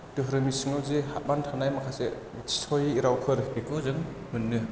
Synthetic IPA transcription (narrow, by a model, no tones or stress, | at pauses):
tɯɦɾɯmisɯŋɯzehat̚mantʰanajmakʰase | tʰi̥sʰɔjiɾawkʰɯɾkekʰɔzɯŋ | mɯnːɯ